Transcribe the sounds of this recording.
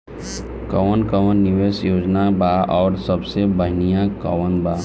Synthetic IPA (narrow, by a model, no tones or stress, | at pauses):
kəʋənkəʋənːɪʋeːsjoːd͡ʒnabaʔɔːɾsəbsebəɦnijãkəʋənba